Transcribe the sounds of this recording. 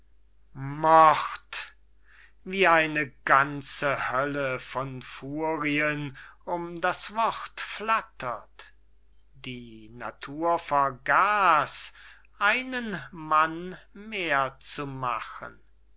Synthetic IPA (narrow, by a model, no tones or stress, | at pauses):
mɔχt | viːaɪnəɡant͡səhœləfɔnfuːʁiənʊmdasv̥ɔχtflatʰɐt | d̥iːna̰tʰuːɐfɛɐɡaːs | ʔaɪnənmanmeːɐt͡suma̰χə̰n